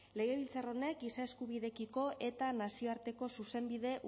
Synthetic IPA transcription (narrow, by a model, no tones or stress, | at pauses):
le̞ɣ̞e̞β̞ilt͡saro̞ne̞k̚ɡisae̞skuβiðe̞kiko̞ʔe̞t̪anasio̞aɾt̪e̞ko̞suse̞mbiðe̞ʔ